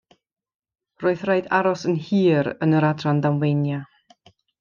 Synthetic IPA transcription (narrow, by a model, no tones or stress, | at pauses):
roːɨθraɨdaɾɔsənhiːɾə̰nəɾadrandamwejnja